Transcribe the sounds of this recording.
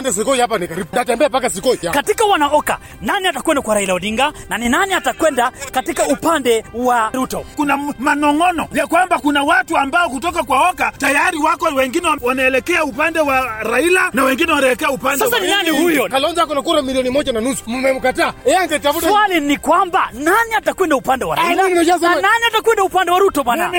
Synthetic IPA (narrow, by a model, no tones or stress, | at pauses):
andɛs̬ikɔihapanikaɾindatɛmbɛapakas̬ikɔikatikawanaɔka̰ | naniatakwɛndakwaɾailaɔɗiŋɡananinaniatakwɛndakatikaupandɛwaɾutɔkunamanɔŋɔnɔjakwambakunawatuambaɔkutɔkakwaɔkatajaɾiwakɔwɛŋɡinɛwanaɛlɛkɛaupandɛwaɾailanawɛŋɡinɛwanaɛlɛkɛaupandsaɛsaninanihujɔkalɔnzakɔnakuɾamiliɔnimɔʄananusu̥mumɛm̩kataːɛaŋɡɛtafutaswalinikwambananiatakwɛndaupandɛwa̰ɾalmnɔd͡ʒazananiatakwɛndaupandɛwaɾutɔma